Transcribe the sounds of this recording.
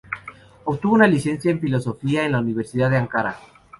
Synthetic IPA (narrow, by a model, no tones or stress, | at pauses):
okt̪uβounalise̞nsjaeɱfilo̞so̞fiaenlauniβ̞e̞ɾsiðaðeaŋkaɾa̰